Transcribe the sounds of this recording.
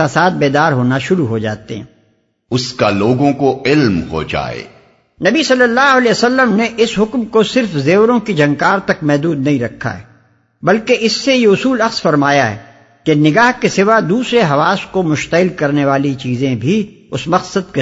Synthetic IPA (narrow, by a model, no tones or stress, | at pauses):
asaːt̪̚ʰbeːd̪aːɾɦoːnaʃʊɾuɦod͡ʒa̰ːt̪ḛɦɛ̰̃ː | ʊskaloːɡõkoɪlmɦo̰d͡ʒa̰ːḛː | nɐbisɐlːəlːaːɦɐlesɐlːəmneʔɪsɦʊkmkosɪɾfzeːwɾõkid͡ʒʱɐ̃ŋkaːɾt̪ɐkmɛɦd̪uːd̪nɐɦĩɾɐkʰːa̰ɦɛ̰ː | bɐlkeʔɪsːejeʊsuːlɐqsfɐɾmaːjaɦɛ̰ː | kenɪɡaːɦkesɪʋad̪uːsɾeɦɐʋaːskomʊʃt̪əɪlkɐɾneʋaːlit͡ʃiːzẽbʱiʊsmɐqsəd̪̚ke